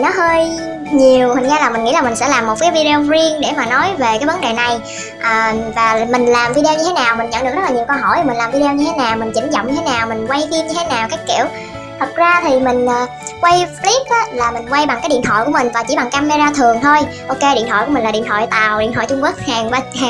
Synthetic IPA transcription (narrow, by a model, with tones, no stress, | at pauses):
nɔ˨˦ɦəː˧j | ɲi˨˩əwhi˨˩ŋ̟zaː˧laː˨˩mi˨˩ŋ̟ŋḭ˧˥laː˨˩mï˨˩ŋ̟sɛ̰˧˥laː˨˩mːo˨˩kaː˨˦jvi˧ɗe˧o˧zi˧əŋɗe˧˩maː˨˩nɔ˨˦jve˨˩kaː˨˦jvə˨˦nɗe˨˩na˨˩j | ʔaː˨˩vaː˨˩mï˨˩ŋ̟laː˨˩mvi˧ɗe˧ɲɨ˧e˨˦naː˨˩wmï˨˩ŋ̟ɲə̰˧˥ŋɗɨ˨˩k̚z̚laː˨ɲi˨˩əwkə˧wɦɔ̰˧˩jmi̟˨˩laː˨˩mvi˧e˧wɲɨ˧t̪ʰe˨˦naː˨˩wmï˨˩ŋ̟t͡ɕi˧˩ŋzɔ̰˧˨wŋ͡mɲɨ˧t̪ʰe˨˦naː˨˩wmi˨˩ŋ̟kwa˧jfi˧əmɲɨ˧t̪ʰe˨˦naː˨˩wkaː˨˦˥jkḭ˧˨əw | t̪ʰə˨˩k̚zaː˧t̪ʰi˨˩mï˨˩ŋ̟ʔaː˨˩ | kwa˧jfli˦˥p̚ʔaː˨˦laː˨˩mï˨˩ŋ̟kwa˧jɓa˨˩ŋkaː˨˦jɗḭ˧˨ənt̪ʰɔ̰˧˨jku˧˩əmï˨˩ŋ̟vaː˨˩t͡ɕḭ˧˩ɓa˨˩ŋkaː˧me˧zaː˧t̪ʰɨ˨˩əŋt̪ʰo˧jʔo˧ke˧ɗḭ˧˨nt̪ɔ̰˧jku˧˥m˨˩laː˨˩ḭ˧˨ənt̪ʰɔ̰˧˨jt̪a̰ː˨˩wɗḭ˧˨ənh̪ʰɔ̰˧˨t͡ɕʊ˧ŋ͡mku˦˥k̚haː˨˩ŋvə˧hː